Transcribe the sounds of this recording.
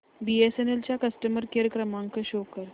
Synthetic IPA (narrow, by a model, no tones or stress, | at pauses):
biesenelt͡ɕjakəsʈəməɾkeɾjəkɾəmãŋkəɕokəɾ